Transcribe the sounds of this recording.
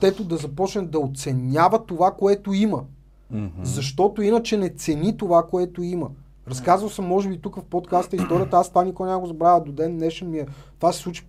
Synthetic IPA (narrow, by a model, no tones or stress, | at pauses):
ɛt̪ʊd̪ɐzɐpɔt͡ʃnɛd̪ɐot̪sɛnʲavət̪ovakoɛt̪oimə | zɐʃt̪ɔt̪oinət͡ʃɛnɛt̪sɛnit̪ovakoɛt̪oimə | ɾɐskazvəlˠsəmːɔʒɛbit̪ukəfpot̪kast̪əist̪ɔɾʲijət̪ɐast̪vanʲikɔjnʲamɡozɐbɾavəd̪od̪ɛnːɛʃɛnmiɛt̪vasɛ̥slˠut͡ʃi̥